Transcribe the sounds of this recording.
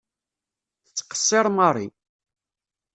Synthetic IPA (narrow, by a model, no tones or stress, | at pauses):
θt͡sːqə̥sˤːeɾˤmɑrˤḭ